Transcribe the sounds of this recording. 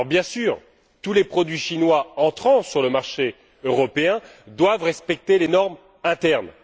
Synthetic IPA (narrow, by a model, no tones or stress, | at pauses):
ʁbjɛ̃syːʁ | t̪ulepχɔd̪ɥiʃinwaɑ̃t̪χɑ̃syʁləmaʁʃe | øʁɔpeɛ̃d̪wavʁɛspɛk̚t̪elenɔʁm | ɛ̃t̪ɛʁn